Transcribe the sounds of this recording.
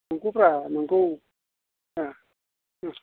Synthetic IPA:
noŋɡupɾanaŋɡow | a

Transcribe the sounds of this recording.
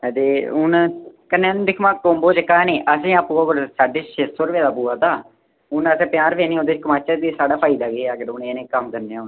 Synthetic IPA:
t̪eːʊnkənːẽːnd̪ɪkʰmãːkoːmboːt͡ʃəkaːneːʔəsẽːãːpuːaːkʊɾsaːɖeːʃesəɾʋeːd̪aːp̬uːaːt̪aː | ʊnəsẽːpɪjaːɾpeːniːõːd̪eːt͡ʃkəmaːt͡ʃət̪esaːɖaːpʰaːɪd̪aːɡeːaːɡəɾʊneːnẽːkəmkəɾneːãːʊn

